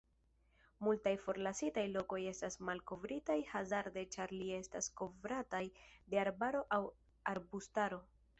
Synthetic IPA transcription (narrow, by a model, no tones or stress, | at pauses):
multajfo̞ɾlasitajlo̞ko̞je̞stasmalko̞vɾitajhazaɾde̞t͡ʃaɾlie̞stasko̞vɾatajde̞aɾbaɾo̞ʔaw | aɾbustaɾo̞